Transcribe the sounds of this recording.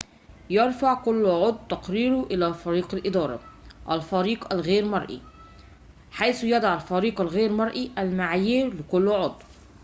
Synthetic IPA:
jɑɾfaʕkʊlːʕod̪ˤt̪ɑqɾiːɾuʔɪlæːfɑɾiːqalʔɪd̪ˤɑːɾˤɑ̰ʔælfæɾiːqælɣeːɾmɑɾˤʔḭ | ħajsjɑd̪ˤɑʕalfæɾiːqælɣeːɾmɑɾˤʔiʔælmaʕajiːɾlɪkʊlːʕod̪ˤ

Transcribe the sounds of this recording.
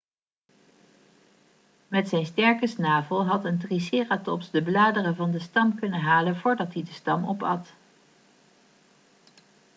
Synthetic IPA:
mɛtsɛjnstɛɹkəsnaːvəlˠɦɑtəntrisɪːratɔpsdəblaːdərəvɑndəstɑmkɵnəɦaːlənvʊːɹdɑtɦidəstɑmɔpɑt

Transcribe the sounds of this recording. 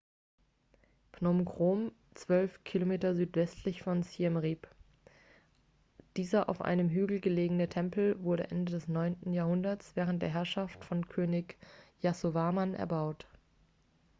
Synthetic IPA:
pnomɡʁ̥oːm | t͡sv̥œlfkʰilomeːtɐzyːtv̥ɛstʰlɪçfɔnsiɛmʁip | d̥iːzɐʔa̰ʊfʔa̰ɪnəmɦyːɡl̩ɡəleːɡəŋnətʰɛmpl̩vʊɐɾəʔɛndədɛsnɔʏntn̩jaːɐhʊndɐt͡sv̥ɛːʁ̞ənt̚d̥ḛːɐɦɛɐʃaftfɔnkʰøːnɪkjasovaːmanʔɛ̰ɐbaʊt

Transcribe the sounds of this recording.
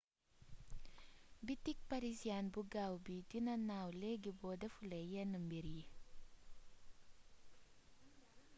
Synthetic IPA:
bit̪ik̚paɾisianbuɡawbidinanawleɡibodɐfulejɛnːəmbiɾi

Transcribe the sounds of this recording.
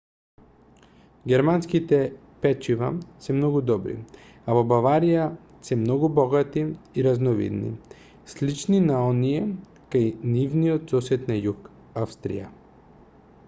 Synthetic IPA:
ɡʲɛɾmanskit̪ɛ | pɛt͡ʃivasɛmnɔɡud̪ɔbɾḭ | avobavaɾija | sɛmnɔɡubɔɡat̪iiɾaznɔvḭd̪nḭ | slit͡ʃninaɔnijɛ | kajnivnijɔt̪sɔsɛt̪najuk | afst̪ɾḭja̰

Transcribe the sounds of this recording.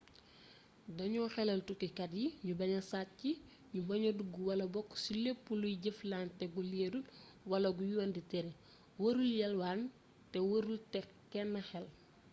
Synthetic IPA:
dɐɲɔxɛlɐltukikɐdjiɲubɐɲɐsat̚ci | ɲubɐɲoduɡuwɐlɐbɔkːsilepːulujɟeflaːntɛɡuleːdul | wɐlɐɡujuwɐnditɛɾɛ | wɐɾuljɐlwaːn | tɛwɐɾultɛ | kɛnːɐxɛl

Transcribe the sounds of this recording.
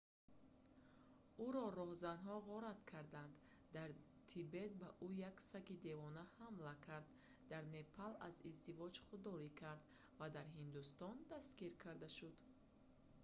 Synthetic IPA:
uɾɔɾɔhzanɦɔʁɔɾat̪kʰaɾd̪and̪ | d̪aɾ | t̪ʰibe̞t̪̚baʔujaksakid̪e̞vɔnahamlakʰaɾd̪ː | aɾne̞pʰala̰zizd̪ivɔd͡ʒχud̪ːɔɾikʰaɾd̪ | vad̪aɾɦind̪ust̪ɔnd̪askiɾkʰaɾd̪aʃud̪

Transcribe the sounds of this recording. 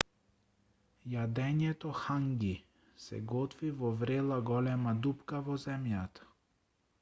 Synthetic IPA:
jad̪ɛɲɛt̪ɔxaŋɡi | sɛ̰ɡɔt̪vivɔvɾɛlˠaɡɔlɛmad̪upkavɔzɛmjat̪ḁ

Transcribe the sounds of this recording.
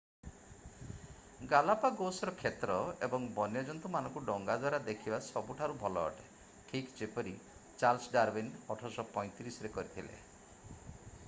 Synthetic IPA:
ɡalapaɡosɔɾɔkʰet̪ɾɔebɔŋbɔnjɔd͡ʒɔnt̪umanɔŋkuɖɔŋɡad̪waɾad̪ekʰibasɔbuʈʰaɾubʱɔlɔ̰ːʈe̥ | kʰikd͡ʒepɔɾi | t͡ʃalsɖaɾbinɔʈʰɔsɔpɔj̃t̪iɾisɔɾekɔɾit̪ʰilḛ

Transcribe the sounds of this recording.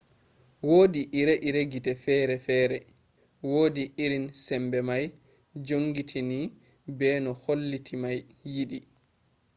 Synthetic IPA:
woːdiʔiɾeʔiɾeɡitɛfɛɾɛfɛːɾɛ | woːdiiɾinsɛmbɛmaj | d͡ʒoŋɡitʰini | bɛːnɔholːitʰimajːiɗi

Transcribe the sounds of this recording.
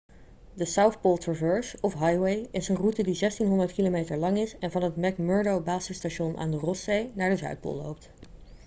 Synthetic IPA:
dəsawθpolˠtɹɔvɜɹsɔfɦɑjwejɪsənrutədizɛstinɦɔndəɹtkilomejtəɹlɑŋɪsɛnvɑnɦətmɛkmœɹdowbaːsəstaʃɔnʔa̰ːndərɔssejnaːɹdəzœ̰ɥt̚po̰lˠlo̰wp̚t

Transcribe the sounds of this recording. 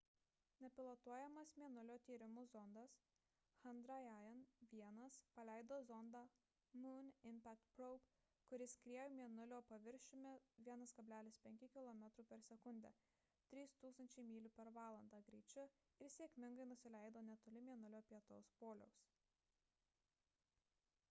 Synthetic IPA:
nʲɛpʲɪlˠot̪uɔjɛmɐsmʲiɛnʊlʲoːt̪ʲiːɾʲɪmʊzɔnd̪ɐs | xɐnd̪ɾɐjæjɛnʋʲiɛnɐspɐlʲæˑɪd̪oːzɔnd̪ɑ | munʲɪmʲpʲæk̚t̪pɾɔʊp | kʊɾʲɪskɾʲiɛjomʲiɛnʊlʲoːpɐʋʲɪɾʲʃʲɪmʲɛʋʲiɛnɐskɐbʲlʲæːlʲɪspʲɛŋʲkʲɪkʲɪlˠɔmʲɛt̪ɾuːpʲɛɾsʲɛkʊnʲd̪ʲɛ̰ː | t̪ʲɾʲiːst̪uːkst̪ɐnʲt͡ʃʲɛɪmʲiːlʲʊpʲɛɾʋɑːlˠɐnd̪ɑːɡɾʲɛɪt͡ʃʲʊ | ɪɾsʲeːkʲmʲɪŋɡɐɪnʊsʲɪlʲɛɪd̪oːnʲɛt̪oːlʲɪmʲiɛnʊlʲoːpʲiɛt̪o̰ːspoːlʲɛʊs

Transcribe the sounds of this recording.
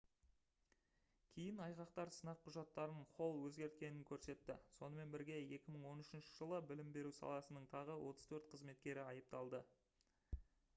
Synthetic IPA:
kʲʰejɪnɑjʁɑqt̪ɑɾsənɑqʰːʊʒɑt̪ːɑɾənqʰo̞lˠwɵzɡʲe̞ɾt̪̚kʲe̞nɪŋkʲʰɵɾse̞t̪ːɪso̞nəme̞nbɪɾɡʲe̞e̞kʲɪməɴwo̞nʏʃɪnʃɪ̥ʒəlˠəbɪlɪmbe̞ɾusɑ̰lˠɑsənəɴt̪ʰɑʁəwʔo̞t̪əz̥t̪ʰɵɾt̪qʰəzme̞t̪kʲe̞ɾɪɑjəp̚t̪ɑlˠd̪ə

